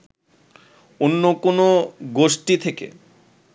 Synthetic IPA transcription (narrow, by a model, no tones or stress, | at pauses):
onːokonoɡoʃʈit̪ʰekḛ